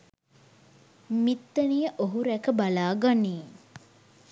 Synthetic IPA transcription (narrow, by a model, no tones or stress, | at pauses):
mit̪ːənijəʔoɦuɾækəbalaːɡaniː